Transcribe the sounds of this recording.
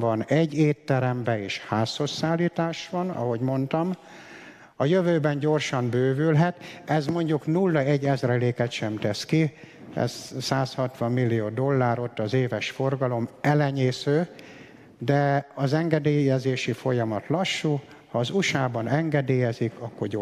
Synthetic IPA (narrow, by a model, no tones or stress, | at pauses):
vɒnɛɟːeːt̪ːɛɾɛmbɛeːʃhaːsːo̞sːaːlːiːt̪aːʃʋɒnɒ̰ɦo̞ɟmo̞nt̪ɒm | ɒjøvøːbɛnɟo̞rʃɒmbøːvylɦɛt̪ɛzmo̞ɲɟuknulːɒɛɟːɛzrɛleːkɛt̪ʃɛmt̪ɛski | ɛ̰zsaːshɒt̪ʋɒmːilːijoːd̪o̞lːaːɾo̞t̪ːɒzeːvɛʃfo̞rɡɒlo̞mɛlɛɲeːsøː | d̪ɛɒzɛŋɡɛd̪eːjɛzeːʃifo̞jɒmɒt̪lɒʃːu | hɒːzuʃaːbɒnɛŋɡɛd̪eːjɛzikɒkːo̞rɟo